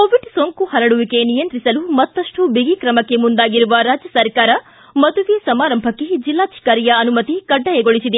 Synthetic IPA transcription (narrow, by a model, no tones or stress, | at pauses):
koːʋiɖsoːŋkuhɐɾɐɽuʋike̞nijɐnt̪ɾisɐlumɐt̪ːɐʂʈubiɡikɾɐmɐkːe̞mund̪aːɡiɾuʋɐɾaːd͡ʒjɐsɐɾkaːɾɐ | mɐd̪uʋesɐmaːɾɐmbʱɐkːed͡ʒilːaːʃʰi̥kaɾijɐɐnumɐt̪ikɐɖːɐjeɡoɭisid̪e